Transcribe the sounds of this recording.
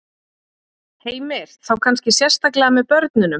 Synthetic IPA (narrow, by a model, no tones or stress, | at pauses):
heːjmɪɾ̥θawkʰanscɪsjɛr̥st̪aklɛɣamɛðpœɾt̪̚nʏnʏ